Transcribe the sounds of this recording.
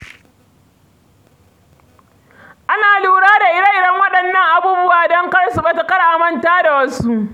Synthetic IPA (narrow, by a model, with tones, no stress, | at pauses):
ʔa˦naː˨luː˦ɽaː˦da˨ʔɪ˦ɽɐ˦ʔɪ˦˨ɽɐ˦ŋwɐ˦ɗɐ˨nːɐ˦ŋʔa˦buː˦bʊ˦waː˨dɔ˦ŋkɐ˦ɽsu˨bɐ˦ta˨kɐ˦ɽaː˨mɐ˦ntaː˦da˨wɐ˦su˦ʔ